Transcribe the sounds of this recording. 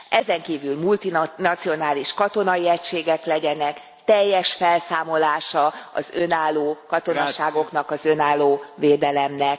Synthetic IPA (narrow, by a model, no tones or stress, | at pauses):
ʔɛzɛŋkiːvylmult̪inɒt̪sio̞naːliʃkɒt̪o̞nɒjiɛcʃeːɡɛklɛɟɛnɛk | t̪ɛjːɛʃfɛlsaːmo̞laːʃɒɒ̰zø̞naːlːoːkɒt̪o̞nɒʃaːɡo̞kn̪ɒkɒzønaːlːoːveːd̪ɛlɛmnɛk